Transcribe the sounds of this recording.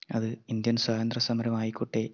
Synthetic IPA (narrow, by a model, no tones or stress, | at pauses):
ɐðɨind̪jɐnswaːðɐnd̪rɐsɐmɐɾɐmaːjikːuʈːe